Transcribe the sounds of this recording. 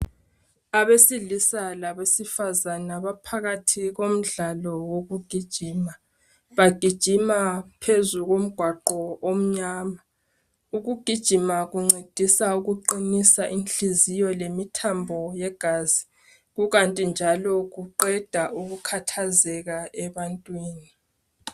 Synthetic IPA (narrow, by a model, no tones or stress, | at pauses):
aβesiɮisalaβesifazanaβapʰaɣatʰiɣom̩ɮalɔwoɣuɡ̥ʱid̥ʒ̥ʱiːma | βaɡ̥ʱid̥ʒ̥ʱimapʰezuɣom̩ɡ̥ʱwaǃɔom̩ɲaːma | uɣuɡ̥ʱid̥ʒ̥ʱimaɣuŋ͡ǀʱed̥ʱisauɣuǃinisaʔinɬizijɔlemitʰambʱɔjɛɡ̥ʱaːz̥i | ɣuɣantʼind͡ʒʱalɔɣuǃɛd̥ʱaʔuɣukʰatʰazɛɣaɛβantʼwiːni